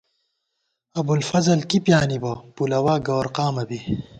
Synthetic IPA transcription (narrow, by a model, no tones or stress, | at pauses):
ɐbulfɐzɐlkipjaːnibɐpulɐwaːɡɐwɾqaːmɐbi